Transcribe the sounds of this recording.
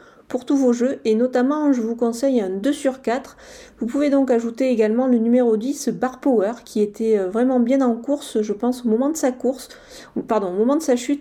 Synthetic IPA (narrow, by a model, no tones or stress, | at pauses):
puʁt̪uvoʒøenɔt̪amɑ̃ʒəvukɔ̃sɛjɛ̃d̪øsyʁkat̪χ | vupuved̪ɔ̃kaʒut̪eeɡalmɑ̃lənymeʁod̪isbaʁpɔwœʁkʲiet̪ʰɛøvʁɛmɑ̃bjɛ̃nɑ̃kuʁsʒəpɑ̃somɔmɑ̃d̪əsakuʁs | paʁd̪ɔ̃omɔmɑ̃d̪əsaʃyt̪